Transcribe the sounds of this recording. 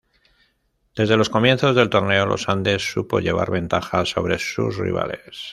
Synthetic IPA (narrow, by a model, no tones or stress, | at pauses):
d̪̥e̞zðe̞lo̞sko̞mjenθo̞zðe̞lt̪o̞ɾne̞o̞lʔo̞̰sand̪e̞sːupo̞̰ʎe̞βa̰ɾβẽ̞nt̪axaso̞β̞ɾe̞sṵsrḭβa̰le̞s